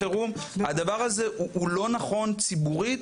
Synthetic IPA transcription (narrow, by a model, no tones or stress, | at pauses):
eʁumhad̪avaʁaze̞uʔulo̞naχo̞nt͡sibuʁi